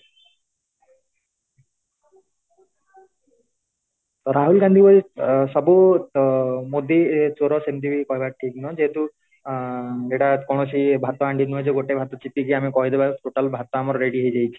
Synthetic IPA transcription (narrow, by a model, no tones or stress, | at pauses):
t̪ɔɾaɦulɡand̪ʱibɔɾisɔbu | mod̪ʱit͡ʃoɾɔsent̪ibikɔɦibaʈʰik̚nɔd͡ʒeɦet̪u | d͡ʒeʈakɔɽ̃ɔsibʱat̪ɔaɳɖinɔɦd͡ʒeɡoʈebʱat̪ɔt͡ʃit̪ik̬iamekɔɦid̪ebaʈoʈalbʱat̪ɔamɔɾɔɾeɽiɦejd͡ʒajt͡ʃʰi̥